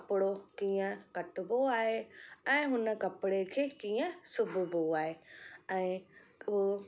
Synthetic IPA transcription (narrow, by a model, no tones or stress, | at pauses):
pɽokĩːãkəʈboaːɦeɛ̃ːɦʊnəkɐpɽekʰekĩːjə̃sʊbboaːɦeɛ̃ | o